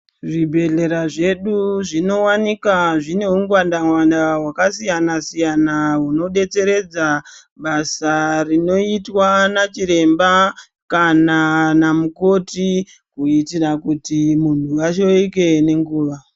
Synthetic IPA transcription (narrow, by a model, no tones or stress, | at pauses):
ʐibʱe̞ɮe̞ɾaʐe̞ɗuʐino̞wanikaʐine̞uŋɡwandaŋwandaɦwakasijanasijanaɦuno̞ɗe̞t͡se̞ɾe̞d͡za | ɓasarino̞itwanat͡ʃiɾe̞mba | kananamuko̞ti | kuitirakutimun̤uaʃo̞ike̞ne̞ŋɡuːʋa